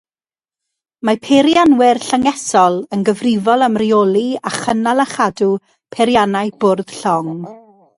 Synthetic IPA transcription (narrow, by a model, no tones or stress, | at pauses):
mapʰeɾjanwɪrɬaŋɛsɔlˠənɡəvrɪvɔlˠamriolˠiaχənalˠaχadu | pʰeɾjanajbʊrð̥ɬɔŋ